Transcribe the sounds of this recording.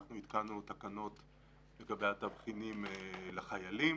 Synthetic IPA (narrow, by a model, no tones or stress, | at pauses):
χnuit̪kanut̪akano̞t̪ | lekabejat̪avχinimlaχajali